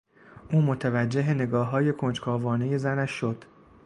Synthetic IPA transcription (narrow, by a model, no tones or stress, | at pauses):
ʔuːmot̪ʰævæd͡ʒːe̞ɦene̞ɡɒːɦɒːje̞kʰo̞nd͡ʒkʰɒːvɒːne̞je̞zænæʃːo̞d̪̥